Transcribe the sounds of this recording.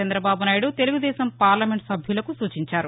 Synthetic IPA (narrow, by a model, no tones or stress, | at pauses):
ɐnd̪ɾɐbaːbunaːjiɽut̪e̞luɡud̪ɛːsɐmpaːɾlɐme̞ɳʈsɐbʱjulɐkusuːt͡ʃiɲt͡ʃaːɾu